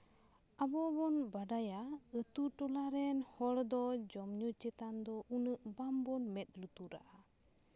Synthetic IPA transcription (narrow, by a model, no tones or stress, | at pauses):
abɔbɔnbaɖajaət̪uʈɔlaɾɛnhɔɽd̪ɔd͡ʒɔmɲut͡ʃɛt̪and̪ɔʔunəʔbambɔnmɛt̪̚ˀlut̪uɾa̰ʔa